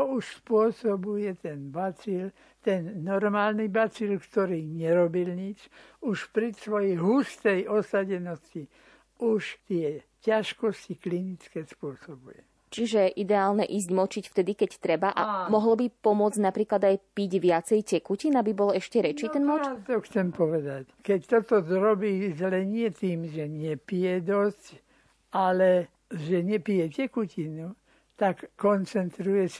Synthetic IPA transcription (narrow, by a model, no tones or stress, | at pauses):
t̪ɔuʃspʊɔsɔbujɛt̪ɛnbat͡sil | t̪ɛnːɔɾmaːlnibat͡silkt̪ɔɾiːɲɛɾɔbilɲit͡ʃ | uʃpɾisʋɔjɛjɦust̪ɛjɔsaɟɛnɔsci | uʃt̪ɪɛ | caʃkɔsciklinit͡skɛspʊɔsɔbujɛ | t͡ʃiʒɛʔid̪ɛaːlnɛʔiːzɟmɔt͡ʃicft̪ɛd̪ikɛct̪ɾɛbaʔa̰mɔɦlɔbipɔmʊɔd͡znapɾiːklad̪ajpiɟʋɪat͡sɛjcɛkucinabibɔlɛʃcɛɾɛt͡ʃiːɛnmɔt̪ɔxt͡sɛmpɔʋɛd̪ackɛct̪ɔt̪ɔɾɔbiːzɛlɛɲɪɛt̪iːmʒɛɲɪɛpijɛd̪ɔsc | alɛ | ʒɛɲɛpijɛcɛkucinu | t̪akːɔnt͡sɛnt̪ɾujɛs